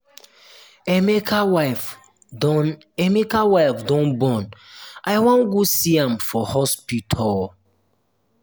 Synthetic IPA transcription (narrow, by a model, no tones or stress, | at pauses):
ɛmekawaf | n | ɛmekawaɪfdɔ̃nbɔ̃nʔajwɔ̃nɡusiãmfɔhɔspitʰɔl